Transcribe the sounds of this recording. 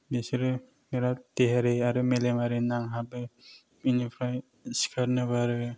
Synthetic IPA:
besiɾɯ | miɾateɦaɾeaɾɯmelemaɾenaŋɦabɯ | inipʰɾaj | si̥kʰaɾnɯbaɾɯ

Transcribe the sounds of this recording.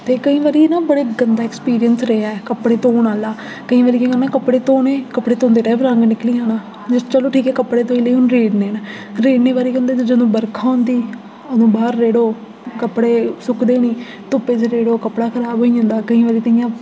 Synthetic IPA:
t̪eːkəĩːʋaːɾiːnãːbəɽeːɡənd̪aːɛkspiːɾijənsɾəaɛkəpɽeːt̪oːnaːlaː | kəĩːʋaːɾiːkəĩənãːkəpɽeːt̪oːneːkəpɽeːt̪õːnd̪eːʈɛːʋɾəŋɡnɪkliːãːnãː | t͡ʃəloːʈʰiːkɛːkəpːɽeːt̪oːiːleːʊnɾeːɖneːna | ɾeːɖneːʋaːɾiːkə̃ːnd̪eːt̪ːd͡ʒəd̪õːbəɾkʰaːʊ̃nd̪iː | əd̪õːbaːɾːeːɽoː | kəpːɽeːsʊkd̪eːniː | t̪opeːd͡ʒɾeːɽoːkəpɽaːkʰəɾaːbɦoːiːõːnd̪aːkəĩːʋaːɾiːk̪əĩjãː

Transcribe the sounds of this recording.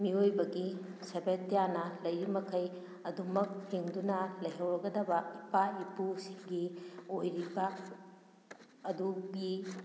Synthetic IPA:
miojbɐɡisɐbetːijanɐlɐjɾimɐkʰɐj | ɐdumɐk̚hiŋdunɐlɐjɦɐwɾɐɡɐdɐbɐipaipusiɡiojɾibɐ | ɐduɡi

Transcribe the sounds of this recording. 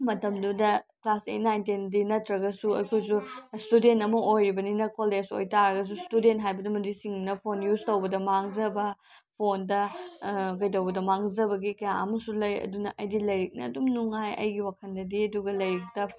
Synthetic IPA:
mɐtɐmdudɐklasḛtnajntindinɐtɾɐɡɐsuɐjkʰojsustudentɐmɐʔojɾibɐninɐkoleso̰jtaɾɐɡɐs̬ustudentɦajbɐdɐmɐɾisiŋnɐpʰonjuztɐwbɐdɐmaŋzɐbɐ | pʰondɐ | kɐjtɐwbɐdɐmaŋzɐbɐɡikɐjaɐ̰mɐsulɐjɐ̰dunɐʔɐjdilɐjɾik̚nɐ̰ːdumnuŋajɐ̰jɡiwakʰɐndɐdiɐduɡɐlɐjɾik̚tɐ

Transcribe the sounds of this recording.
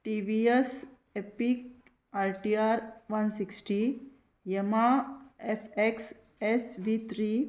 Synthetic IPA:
ʈiʋies | epik̚ | aɾʈiaɾʋɐnsiksʈi | jemaefeks | esʋit̪ʰɾi

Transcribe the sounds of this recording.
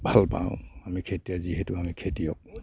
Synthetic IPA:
bʱalpã̰ʊ̰̃amikʰetijaziɦetuamikʰetijɔk̚

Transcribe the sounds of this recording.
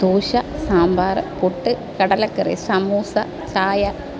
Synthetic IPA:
t̪uːɕɐsaːmbaːɾɨpuʈːɨ | kɐɽɐlɐkːɨrḭsɐmuːsɐ | t͡ɕaːjɐ

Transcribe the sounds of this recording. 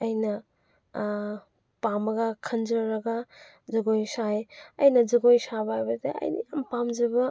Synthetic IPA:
ɐjnɐ | pamɐɡɐkʰɐnd͡ʒɾɐɾɐɡɐ | zɐɡojsajɐ̰jnɐd͡ʒɐɡojsabɐajbɐdḛɐ̰jnḭjampamd͡ʒɐbɐ

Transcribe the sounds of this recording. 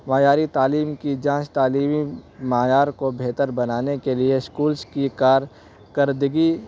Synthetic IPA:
maːjaːɾit̪aːliːmkid͡ʒãːt͡ʃt̪aːliːmimaːjaːɾkobʱeːt̪əɾbɐnaːnekelieskuːlskikaːɾ | kəɾd̪əɡi

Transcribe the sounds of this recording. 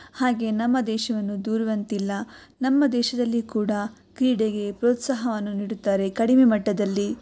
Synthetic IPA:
haːɡe̞ːnɐmːɐd̪ɛːʃɐʋɐnːud̪uːɾiʋɐnt̪ilːɐnɐmːɐd̪ɛːʃɐd̪ɐlːikuːɽɐ | kɾiːɽeɡe̞pɾoːt̪saːɦɐʋɐnːuniːɽut̪ːaːɾe̞kɐɽime̞mɐʈːɐd̪ɐlːi

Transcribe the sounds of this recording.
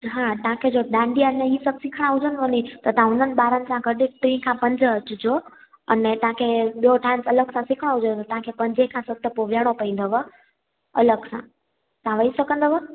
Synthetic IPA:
ɦãt̪ɐãkʰed͡ʑoɗãɳɖiəneisəbsɪkʰɽ̃aɦʊd͡ʑənɦənit̪ɐt̪əãʊn̤ənɪ̆ɓaːɾənɪ̆sãɡəɗɪk̚ʈɾĩːkʰãpɐ̃ɲd͡ʑət͡ɕʊd͡ʑo | ɐ̰net̪ɐãkʰeɓioʈʰãːnsɐləɡsãsɪkʰəɽ̃oɦʊd͡ʑot̪ɐt̪ɐãkʰepɐ̃ɲd͡ʑekʰãsət̪ʰːəpoʋjaɽ̃opɐĩːn̆d̪əʋə | ɐləɡsã | t̪ãʋəisəkə̃nd̪əʋə

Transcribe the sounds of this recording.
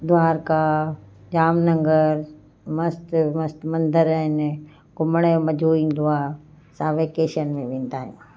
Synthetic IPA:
d̪ʊaːɾka | d͡ʑaːmnɐ̃ŋɡəɾ | mɐst̪mɐst̪mɐ̃nd̪ʱəɾəɦɪn | ɡʊmɽ̃emɐd͡ʒʱuːĩd̪ʊaː | sãːʋeːkeːʃənmẽʋẽːnd̪aːɦijṵ̃ː

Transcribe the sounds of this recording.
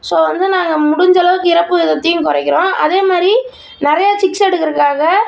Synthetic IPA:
soːʋɐnd̪ɯnaːŋɡɐmʊɽʊɲd͡ʒɐlɐʋɯkːɯɪɾɐpːɯɪðɐt̪ːijnkɔɾɐɪkːɪɾõːʔɐ̰ðeːmaːd̪ɾi | nɪɾɐjaːt͡ʃɪksɛɽɯkːɪɾɯkːaːɣɐ

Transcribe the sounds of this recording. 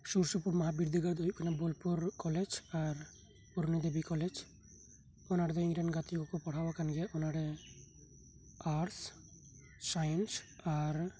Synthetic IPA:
suɾsupuɾmɔɦabiɾd̪ʱiɡad̪ojkʰanabolpuɾkɔled͡ʒaɾ | pɔɾnid̪ebikɔled͡ʒ | ɔnaɽɛd̪ɔĩɾanɡat̪iɡɔkɔpɔɽ̤abakanɡɛaɔnaɽɛ | aɾs | sajnsaɾ

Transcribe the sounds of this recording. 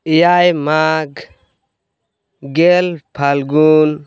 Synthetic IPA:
jajmaɡ | ɡelpʰalɡun

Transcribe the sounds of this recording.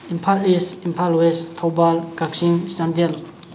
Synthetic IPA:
impʰalisimpʰalwest̪ʰobalkak̚ɕiŋɕand̪el

